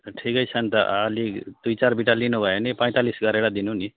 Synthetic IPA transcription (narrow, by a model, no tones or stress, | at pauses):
ʈʰikʌjt͡sʰʌnt̪ʌ̰ʌlid̪̥ujt͡sarbiʈalinubʱʌenipʌ̃j̃t̪alisɡʱʌɾeɽad̪inuni